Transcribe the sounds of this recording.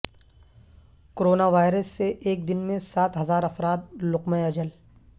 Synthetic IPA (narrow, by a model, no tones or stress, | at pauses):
koɾoːnaʋaːɪɾəsːeʔeːk̚d̪ɪnmẽsaːt̪ɦɐzaːɾɐfɾaːt̪̚lʊqmẽɐd͡ʒəl